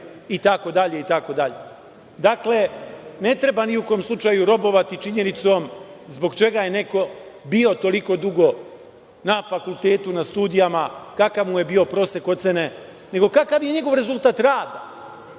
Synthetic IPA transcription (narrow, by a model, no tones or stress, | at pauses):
it̪ako̞d̪aʎe̞it̪ako̞d̪aʎe | d̪akle̞ne̞t̪ɾe̞baniukojomslˠut͡ʃaːjuɾo̞bo̞ʋat̪it͡ʃiɲe̞nit̪so̞mzbo̞ɡt͡ʃe̞ɡaje̞ne̞ko̞bio̞t̪o̞liko̞d̪uɡo̞ | nafakult̪e̞ːt̪unast̪uːd̪ijamakakaʋmuje̞bio̞pɾo̞ːse̞ko̞t̪se̞ne̞ | ne̞ɡo̞kakaʋje̞ɲe̞ɡo̞ʋɾe̞zulˠt̪aːt̪ɾaːd̪a